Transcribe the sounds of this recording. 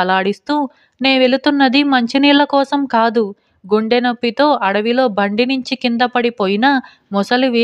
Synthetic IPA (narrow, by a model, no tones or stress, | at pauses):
ɐlaːɽist̪uː | ne̞ːʋe̞ɭut̪unːɐd̪imɐɲt͡ʃiniːlːɐkɔːsɐmkaːd̪u | ɡuɳɖenopːit̪o̞ːʔɐɽɐʋilo̞ːbɐɳɖiniɲt͡ʃikind̪ɐpɐɽipoːjinɐ | mɔsɐluʋiː